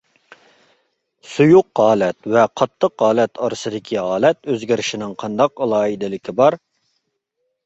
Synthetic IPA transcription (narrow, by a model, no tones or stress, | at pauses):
sujʊqʁɑːlɛt̪wɛqʰɑt̪ʰːəqʁɑːlɛt̪ʰɑɾɨsɨd̪ɪkʲʰiɦɑːlɛt̪øzɡʲɪɾɪʃinɪŋqʰɑnd̪ɑqɑlˠɑːid̪ɪlɪkʲʰibɑɾ